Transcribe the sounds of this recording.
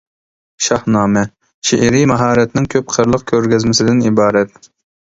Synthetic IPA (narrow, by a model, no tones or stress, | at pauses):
ʃɑhnɑːmɛ | ʃeʔɾimɑɦɑːɾɛt̪nɪŋkʲʰøp̚qʰəɾlˠəq̚kʲʰøɾɡʲɛzmɪsɪd̪ɪnibɑːɾɛt̪̚